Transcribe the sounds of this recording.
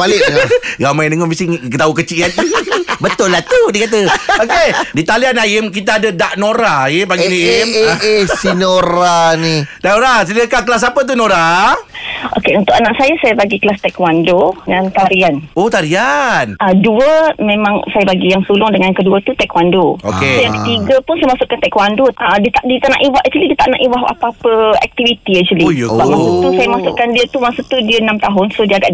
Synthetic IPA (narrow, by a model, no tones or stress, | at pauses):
palɪɡamãjnəŋɔbisiŋkt̪aukət͡ʃiʔanibət̪ʊlːat̪udikat̪̬əokedit̪alianajɪmkit̪aːdədaʔnoɾaajɪbaɡinamesinoɾanidaʔnoɾas̬ədəkak̬əlas̬apət̪̬unoɾa | ʔo̰keunt̪ʊkanaʔsajasajabaɡiklast̪ɛkwandonant̪aɾianot̪aɾianaduəmẽmãŋsajabaɡijaŋsulʊŋdəŋankəduət̪ut̪ɛkwandookejaŋkət̪iɡəpʊnsajəmasʊʔkːant̪ɛkwandoədət̪aʔdit̪aʔna̰ʔiwahʔʔ̚t͡ʃulidiət̪aʔnã̰ʔiwaɦa̰paapəɛ̰k̚t̪ivit̪iaʔ̚t͡ʃulibamasut̪usajamasʊʔkandiət̪umaŋsut̪udiəənãmt̪aɦʊnsodiəaɡaʔ